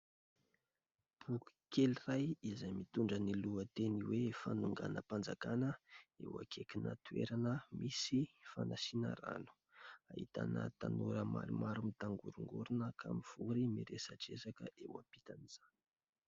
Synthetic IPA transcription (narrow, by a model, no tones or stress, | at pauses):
b̥uku̥kelirajizajmit̪uɳɖ͡ʐəniluət̪eniwefanuŋɡanəpand͡zakanəewa̰kʰekina̰t̪uḛɾanəmisifanasinə̰ra̰nu̥ | ahit̪a̰nə̰t̪anuɾəma̰ɾimaɾumit̪aŋɡṵɾuŋɡuɾunəkʰamiv̥uɾimiɾesaʈ͡ʂezakəʔewapit̪aniz̥ani̥